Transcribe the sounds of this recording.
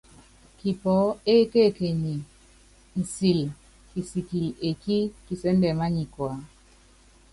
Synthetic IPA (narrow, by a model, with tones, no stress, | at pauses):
ki˨pɔ˨˦e˦ke˦˨ke˨ɲi˨ | n̩˨si˨l | ki˨si˨ki˨le˨ki˦ki˨se˦n˦dɛ˨ma˦ɲi˨kwa˨˦